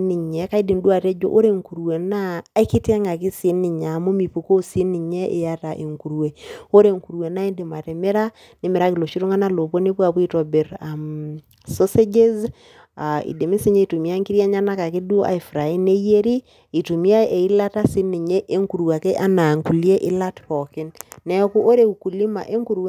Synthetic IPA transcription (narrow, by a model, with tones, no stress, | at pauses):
ni˨ɲɛ˨ka˦i˦di˨ndu˦a˨te˦d͡ʒo̰˦ʔo˦ɾe˦ŋku˨ɾwe˨naː˦i˦ki˦tŋa˨ki˦si˦ni˨ɲa˨mu˦mi˨pu˨ko˦si˦ni˨ɲe˦ʔe˨ja˦ta˨ʔe˨ŋku˨ɾwe˨o˦ɾe˨ŋku˨ɾwe˨na˦e˦ndi˨ma˨tɛ˨me˦ɾa˦ | ni˦me˨ɾa˦ki˨lo˨ʃi˦ɾo˦ŋa˦na˦lo˨po˦ni˦pwa˨pu˦i˦tɔ˨be˨ɾa˨m | so˦se˦d͡ʒe˦z | a˨ḭ˨de˨mi˦si˦ɲe˦i˨tu˨mi˦a˦ŋki˦ɾja˦ɲa˦na˦ka˨ki˦dʔa̰˨i˨fɾa˨i˦ne˦je˦ɾi˦ | i˨tu˨mi˦a˦e˨i˦la˦ta˦si˦ni˨ɲe˦ʔe˦ŋku˨ɾwa˨ke˦ʔa˦na˨ŋku˨li˦e˦ʔɪ˦la˦tɾɔ˨kɪ˦nnɛ˦ku˦ʔo˦ɾe˦u˨ku˨li˦ma̰˨ʔe˦ŋku˦ɾwe˦